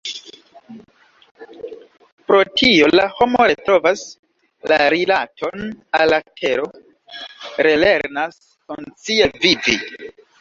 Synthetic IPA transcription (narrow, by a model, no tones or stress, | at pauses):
pɾo̞tʰio̞laho̞mo̞ɾe̞tɾo̞vas | laɾilatʰo̞nalatʰe̞ɾo̞ | ɾele̞ɾnas | kunt͡sievivḭ